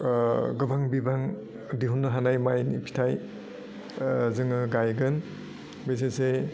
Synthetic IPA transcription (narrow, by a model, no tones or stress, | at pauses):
ɡɯbaŋbibaŋ | diɦunːɯɦanajmajnipʰi̥tʰaj | zɯŋɯɡajɡɯn | bezese